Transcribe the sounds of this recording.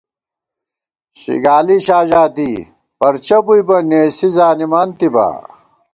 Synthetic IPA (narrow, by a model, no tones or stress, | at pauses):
ɕḭɡaːliɕaːʑaːt̪i | pɐɾt͡ɕɐbujpɐneːsizaːnimant̪iba̰